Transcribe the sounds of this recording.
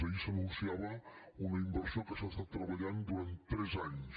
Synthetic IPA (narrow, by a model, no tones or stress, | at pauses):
əisənũnsiaβə | unɐimbəɾsiokəsast̪at̪ːɾəβɐʎand̪uɾant̪ːɾɛzaɲs